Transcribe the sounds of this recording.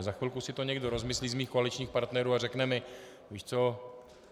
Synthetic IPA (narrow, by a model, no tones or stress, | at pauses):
zaxʋɪlkusɪt̪o̞ɲɛɡdo̞ɾo̞zmɪsliːzmiːxkoalɪt͡ʃɲiːxpaɾt̪nɛɾuːarɛknɛmɪ | viːʃt͡so